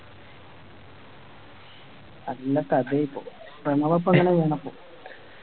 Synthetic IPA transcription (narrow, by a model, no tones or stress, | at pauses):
ɐlːɐkɐd̪eipːo̰ː | premɐʋɐpːɐŋːɐneʋeɳɐpːo̰ː